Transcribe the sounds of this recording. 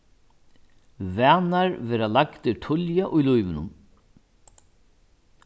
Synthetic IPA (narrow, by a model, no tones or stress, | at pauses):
væːnaɾvɛːɾalakt̪ɪt̪ʰʊljaʔʊjlujvɪnʊ̰n